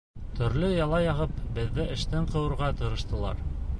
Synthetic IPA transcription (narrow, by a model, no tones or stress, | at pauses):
t̪ʰɵ̆ɾlɵjɑlˠɑjɑʁɤpbɘ̆ðːɘʔɘ̆ʃt̪ɘɴqɤ̆wɤ̆ɾʁɑt̪ɤ̆ɾɤ̆ʃt̪ɤ̆lˠɑ̰ɾ